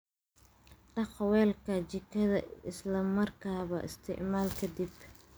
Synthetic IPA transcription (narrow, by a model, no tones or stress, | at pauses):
ɖɑqwɛːlkʰɐt͡ʃɪkʰɐðɐɪslɐmɐrkʰaːβɐ̰ʔɪ̰st̪ʰɪ̰ʕmaːlkʰɐd̪ib